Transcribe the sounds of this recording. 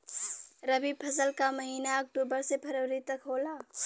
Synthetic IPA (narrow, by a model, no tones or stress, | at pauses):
ɾɐbiːpʰɐzəlkamɐɦiːnaɐk̚ʈuːbəɾsepʰɐɾəːɾit̪ɐkɦoːlaː